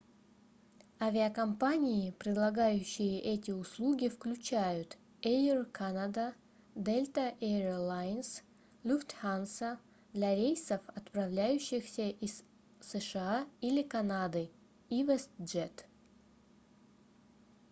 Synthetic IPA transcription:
avʲɪɐkɐmpanʲɪɪpɾʲɪd̪lˠɐɡajʉɕːɪjɪʔɛtʲɪʊslˠuɡʲɪfklʲʉt͡ɕæjʊt̪ | ejrkʰanad̪ə | d̪elʲt̪əʔɛɾlˠajns | lʲuft̪hansə | d̪lʲaɾʲejsəfɐt̪prɐvlʲæjʉɕːɪxsʲəʔisː | əʂɨailʲɪkɐnad̪ɨ | ivɛsd͡ʒɛt̪

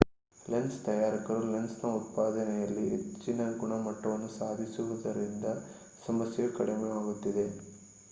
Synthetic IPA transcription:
lenst̪ɐjaːɾikɐɾule̞nsnɐut̪̚paːd̪ɐnɛjɐlːiḛt͡ʃːinɐɡuɳɐmɐʈːɐʋɐnːusaːd̪ʱisuʋud̪ɐɾind̪ɐ | sɐmɐsjɐukɐɽemeaːɡut̪ːid̪e̞

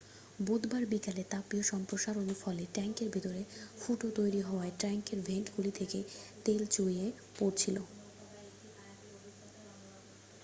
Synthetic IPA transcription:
bud̪baɾbikalet̪apioʃɔmpɾoʃaɾonufɔleʈɛŋkeɾbʱit̪oɾefuʈot̪ojɾiɦɔoaeʈɾɛŋkeɾbʱeɳʈɡulit̪ʰeket̪elt͡ɕoie | poɾt͡ɕʰilo

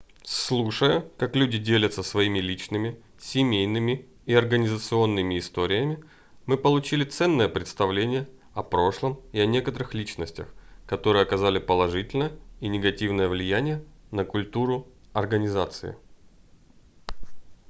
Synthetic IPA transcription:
slˠuʂəjʊkaklʲʉdʲɪdʲelʲət̪səsvɐimʲɪlʲit͡ɕnɨmʲɪ | sʲɪmʲejnɨmʲɪ | ɪɐrɡənʲɪzət̪sɨo̞nːɨmʲɪɪst̪o̞ɾʲɪjəmʲɪ | mɨpəlˠʊt͡ɕilʲɪt̪sɛnːəjəpɾʲɪt̪st̪ɐvlʲenʲɪjə | ɐpɾo̞ʂlˠəmɪɐnʲe̞kət̪əɾɨxlʲit͡ɕnəsʲtʲə̰xkɐt̪o̞ɾɨjɐkɐzalʲɪpəlˠɐʐɨtʲɪlʲnəjəinʲɪɡɐtʲivnəjəvlʲɪjænʲɪjənəkʊlʲt̪uɾʊɐrɡənʲɪzat̪sɨ̰ɪ̰

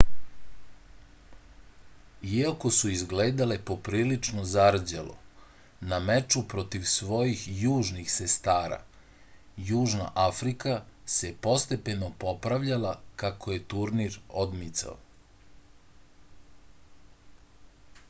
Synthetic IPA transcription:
iako̞suizɡleːd̪alepo̞pɾiːlit͡ʂnozaɾd͡ʑalo̰ | namet͡ʃupɾo̞t̪iʋsʋo̞jixjuːʒnixsest̪aːɾa̰ | juːʒna̰ʔafɾikasepo̞st̪e̞pe̞no̞po̞pɾaʋʎalakakoje̞t̪uɾniɾo̞d̪mit̪sa̰o

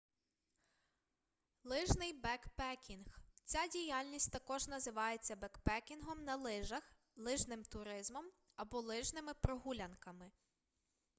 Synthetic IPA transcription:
lˠɪʒnɪjbɛkpɛkʲinxt͡sʲadʲijalʲnʲisʲtʲt̪ɐkɔʒnɐzɪʋɑjet͡sʲːɐbɛkpɛkʲinɦɔmnɐlˠɪʒɐx | lˠɪʒnɪmt̪ʊɾɪzmɔm | ɐbɔlˠɪʒnɪmɪpɾɔɦulʲɐnkɐmɪ

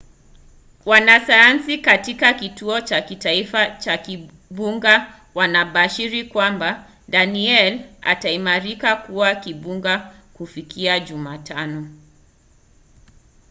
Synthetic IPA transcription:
wanasajansikatikakituɔt͡ʃakitaifat͡ʃaki | ɓuŋɡa | wanaɓaʃiɾikwamba | daniɛla̰taimaɾikakuwakiɓuŋɡakufikʰiaʄumatʰanɔ

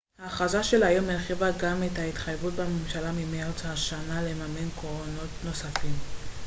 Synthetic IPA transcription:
haːχazaʃelajomelχivaɡametait̪χajvut̚bamemʃalamimeat͡shaʃanale̞mame̞nkoono̞tno̞safim

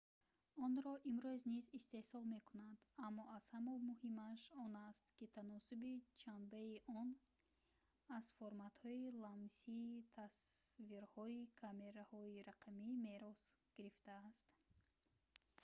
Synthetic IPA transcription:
ɔnɾɔʔimɾuznizist̪e̞hsɔlme̞kunand̪amːɔaz̥hamɔmuhimaʃɔnast̪kit̪ʰanɔsubit͡ʃʰanbeiʔɔn | azfoɾmat̪hɔilamsiːt̪ʰasviɾhɔikʰame̞ɾahɔiɾaqʰamime̞ɾɔs | ɡ̥iɾift̪aːst̪

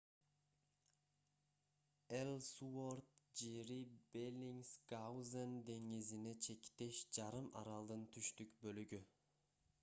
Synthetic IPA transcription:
elʲsuoɾt̪̚d͡ʒeɾibelʲiŋskawzend̪e̞ŋizinet͡ʃʰe̞kʲt̪eʃd͡ʒɑɾɯmʔɑ̰ɾɑlˠd̪ɯnt̪ʰyʃt̪ykbølyɡʲy

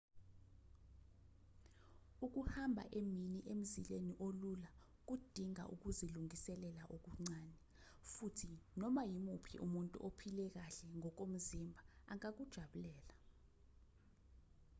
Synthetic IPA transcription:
uk̬uhambʱa̰ʔeminiʔem̩zileniʔolula | k̬ud̥ʱiŋa̰ʔṵk̬uziluŋisɛlɛlaʔok̬uŋ͡ǀaːnɛ | futʰinɔmajimupʰḭʔumuntʼṵʔopʰilɛk̬aɬɛŋɔk̬om̩zimbʱaaŋak̬ud̥ʒ̥ʱaɓulɛːla

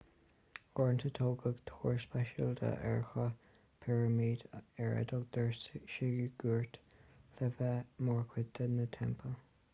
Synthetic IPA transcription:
ɔɹnt̪ʰət̪ʰoːɡəɡt̪ʰoːɹspɛʃəld̪ə̰ʔɛ̰ɹxə | pʰɛɹəmiːdɛɹə̰dɔɡd̪̥əɹsʃɪliɡ̥uɹtlɛvəmɔɹkʰwɪd̪ənət̪ʰɛmpʰəl

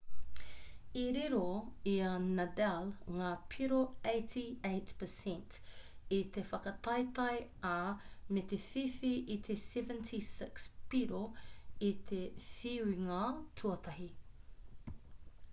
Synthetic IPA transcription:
iɾiɾoiɐnadalŋaːpʰiɾoejtʰiejtpʰəsɛ̃ntit̪efɐkɐt̪ɐjt̪ɐjamet̪efifiʔit̪ʰesɛvə̃ntʰisɪkspiɾoit̪ʰefiwiŋatʰuɐt̪ʰɐɦi

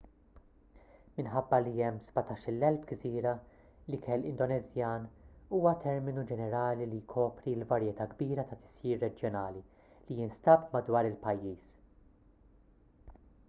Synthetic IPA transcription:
mɪnħɐbːɐliɛmːzbɐt̪ɐːʃɪlːɛlfɡziːɾɐ | likʰɛlːɪ̰nd̪ɔnɛzjɐːnuːwɐt̪ʰɛɾmɪnud͡ʒɛnɛɾɐːlilijkʰɔːpɾilvɐɾjɛt̪ɐːɡbiːɾɐt̪ɐt̪ɪ̥siːɾːɛd͡ʒjɔnɐːli | lijɪːnst̪ɐpmɐd̪wɐːɾɪlpɐjːiːs

